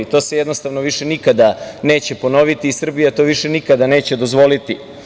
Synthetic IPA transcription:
it̪o̞ːse̞jed̪nost̪aʋnoʋiʃe̞nikad̪ane̞ːt͡ɕe̞po̞no̞ʋit̪iːsr̩bijat̪o̞ʋiʃe̞nikad̪ane̞ːt͡ɕe̞d̪o̞zʋo̞lit̪i

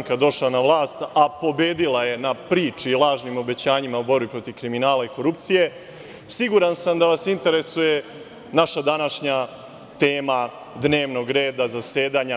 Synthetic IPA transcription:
ŋkad̪o̞ʃlanaʋlˠaːst̪apo̞beːd̪ilˠaje̞napɾiːt͡ʂiːlˠaːʒnimo̞be̞t͡ɕaːɲimaubo̞ɾbipɾo̞t̪iʋkɾiminaːlaiko̞ɾupt̪sije̞ | siɡuɾansamd̪aʋasint̪e̞ɾe̞suje̞ | naʃad̪anaʃɲa | t̪e̞ːma | d̪ne̞ːʋno̞ɡɾe̞ːd̪azase̞ːd̪aːɲa

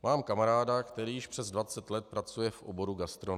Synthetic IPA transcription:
maːmkamaɾaːdakt̪ɛɾiːjɪʃpr̥ɛzdvat͡sɛt̪lɛt̪̚pɾat͡sujɛfʔo̰bo̞ɾuɡast̪ɾon

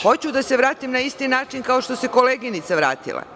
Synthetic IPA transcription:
xo̞t͡ɕud̪ase̞ʋɾaːt̪imnaist̪inaːt͡ʃinkao̞ʃt̪o̞se̞ko̞leːɡinit̪saʋɾa̰ːt̪ḭlˠa̰

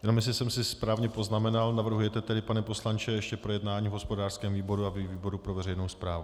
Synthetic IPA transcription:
jɛno̞mjɛs̬lɪsɛmsɪspɾaːvɲɛpo̞znamɛnalnavr̩ɦujɛt̪ɛt̪ɛdɪpanɛpo̞slant͡ʃɛjɛʃcɛpɾo̞jɛdnaːɲiːvɦo̞spodaːr̥skɛːmviːbo̞ɾuaviviːbo̞ɾupɾo̞vɛrɛjnowspɾaːvu

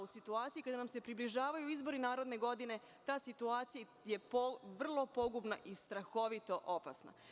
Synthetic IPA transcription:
usit̪uaːt̪sijikad̪anamse̞pɾibliʒaːʋajuizbo̞ɾinaːɾo̞d̪ne̞ɡo̞d̪ine̞ | t̪aːsit̪uaːt̪sija | je̞poʋr̩lˠo̞po̞ɡubnaʔist̪ɾaxo̞ʋit̪o̞ʔopa̰sna̰

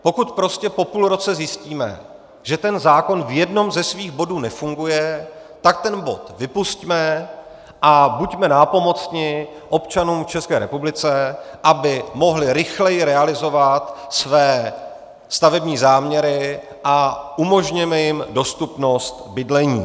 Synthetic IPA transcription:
po̞kut̪pɾo̞scɛpo̞puːlɾo̞t͡sɛzjɪsciːmɛ̰ | ʒ̥ɛt̪ɛnzaːko̞nvjɛdno̞mzɛsviːɣbo̞duːnɛfuŋɡujɛ | t̪ak̚t̪ɛnbo̞̰t̪vɪpuscmɛ | ʔabucmɛnaːpo̞mo̞t͡sɲɪ | ʔo̞pt͡ʃanuːmft͡ʃɛskɛːɾɛ̰publɪt͡sɛʔabɪmo̞ɦlɪɾɪxlɛjɪɾɛalɪzo̞vat̪svɛː | st̪avɛbɲiːzaːmɲɛɾɪ | ʔaʔumo̞ʒɲɛmɛjɪmdo̞st̪upno̞st̪bɪdlɛɲḭː

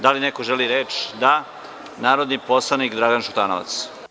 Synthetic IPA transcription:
d̪alinekoʒeliɾeːt͡ʃd̪a | naːɾo̞d̪niposlˠanikd̪ɾaɡanʃut̪aːnoʋa̰t̪s

